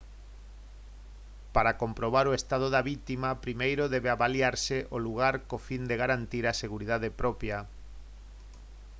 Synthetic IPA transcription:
paɾakompɾoβ̞aɾoest̪að̞oðaβit̪imapɾimejɾoðɛβeaβaljaɾsɪʔoluɣaɾkofind̪eɣaɾant̪iɾaseɣuɾiðaðepɾɔpja

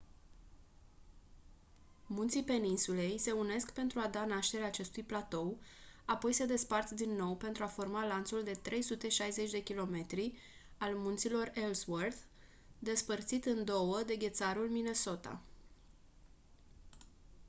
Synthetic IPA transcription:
munt̪sipe̞ninsule̞jse̞une̞skpe̞nt̪ɾuad̪anaʃt̪e̞ɾeaːt͡ʃe̞st̪ujplat̪o̞wapo̞jse̞d̪e̞spart̪d̪inːo̞wpe̞nt̪ɾuafo̞rmalant̪suld̪e̞t̪ɾʔe̞jsut̪e̞ʃajze̞t͡ʃʲd̪e̞kʲilo̞me̞t̪ɾi | almunt̪silo̞relswərd̪ | d̪e̞spərt̪sit̪ɨnd̪o̞wəd̪e̞ɡʲe̞t̪saɾulmine̞so̞t̪a̰

